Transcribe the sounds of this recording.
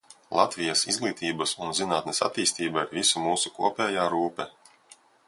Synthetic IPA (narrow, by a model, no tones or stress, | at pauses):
lˠa̰t̪vʲijasḭzɡlˠiːt̪iːbɐsunzinaːt̪̚nesa̰t̪iːst̪iːbaɾvisumuːsukṵɔpʲɛːjaːɾuːpɛ